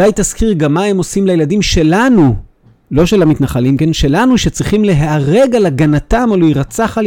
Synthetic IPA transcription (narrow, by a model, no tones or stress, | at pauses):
ajt̪askiʁɡamːae̞mo̞simlajeladimʃe̞lanu | lo̞ʃe̞lamit̪naχalimkenʃe̞lanuʃet͡sʁiχimle̞ɦaːʁe̞ɡalaɡanatamaluiʁat͡saχal